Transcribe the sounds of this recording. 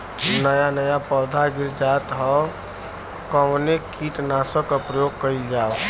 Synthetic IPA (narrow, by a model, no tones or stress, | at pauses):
nəjanəjapɔd̪ʱaɡiɾd͡ʒat̪ɦɔ | kəwnekit̪nasəkəpɾəjoɡ̚kəild͡ʒaːo